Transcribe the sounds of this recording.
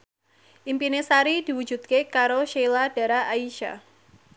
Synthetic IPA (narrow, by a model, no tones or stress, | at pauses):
ʔimpinesaɾid̥i̤wu̥d͡ʒṳd̪̚kekaɾoʃelad̥a̤ɾaaiʃa̰